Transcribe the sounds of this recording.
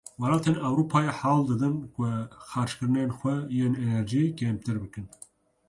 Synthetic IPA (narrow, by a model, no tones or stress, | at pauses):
wɛlɑːt̪ʰeːnɛwɾuːpʰɑːjeħɑːld̪ɨd̪ɨnkʷʊxɑːɾʃkɨɾɨnenxʷɛjeːnɛnɛɾʒikem̚t̪ɨɾbɨkɨn